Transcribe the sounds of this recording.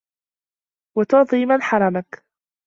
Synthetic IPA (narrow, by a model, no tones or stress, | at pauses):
wat̪ʊʕd̪ˤiːmanħɑɾˤɑmak